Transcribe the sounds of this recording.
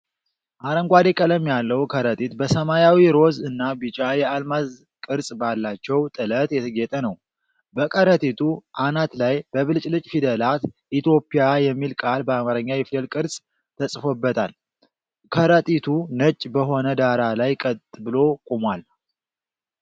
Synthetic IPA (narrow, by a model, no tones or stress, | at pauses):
ʔaɾəŋɡʷad̪ekʼələmjalːəwkʰəɾət̪ʼit̪bəsəmajawiɾo̞zɨnːabɨt͡ʃʼajɛalmaz | kʼɨɾsʼbalːat͡ʃːɛwt̪ʼɨlət̪jɛt̪ʰəɡɛt̪ʼənəw | bəkʼəɾət̪ʼit̪ʰuʔanat̪lajbəβɨlt͡ʃʼlɨt͡ʃʼfid̪əlat̪ʔit̪jo̞pːijajɛmːilkʼalbəamaɾəɲːajɛfid̪əlkʼɨɾsʼ | t̪ʰəsʼfobːət̪ʰa̰l | kʰəɾət̪ʼit̪ʰunət͡ʃʼːbəɦo̞nəd̪aɾalajkʼət̪ʼbɨlo̞kʼumwal